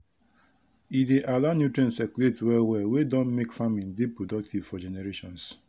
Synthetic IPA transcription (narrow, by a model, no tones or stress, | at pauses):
ideʔalanjutɾɛ̃nsɛkuletwɛlwɛwedɔ̃nmekfamindipːɾodɔk̚tʰivfɔd͡ʒɛneɾeʃɔ̃ns